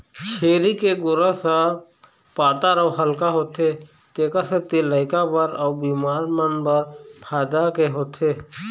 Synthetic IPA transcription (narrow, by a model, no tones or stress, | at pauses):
t͡ʃʰeːɾikeɡʊɾəsa | paːt̪aɾəːɦəlkaɦoːt̪e | t̪eːkəset̪eləɪkabəɾɔːbiːmaːɾmənbəɾpʰaːd̪akeɦoːt̪eː